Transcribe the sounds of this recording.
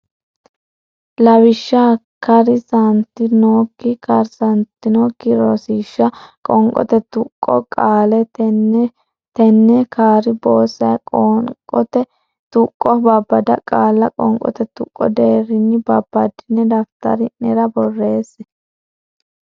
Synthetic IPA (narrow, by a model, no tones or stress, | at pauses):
lɐwɪʃːa | kɐɾɪsɐnt̪ːɪnoːkːɪkɐɾsɐnt̪ːɪnoːkːɪɾoːsiːʃːɐkʼɔŋkʼɔ̰t̪ɛt̪ʊkʼːɔkʼaːlɛ | t̪ɛnːɛkʰaːɾɪboːsɐjʼɔɔt̪ɛ | t̪ʊkʼːɔbɐbːɐd̪ɐ̰kʼaːlːɐkʼɔ̰ŋkʼɔ̰t̪ɛt̪ʊkʼːɔd̪eːɾɪnːɪbɐb̥ːɐd̪ɪnːɛd̪ɐft̪ɐ̰ɾɪnɛɾɐbɔrːe̞ːsɛ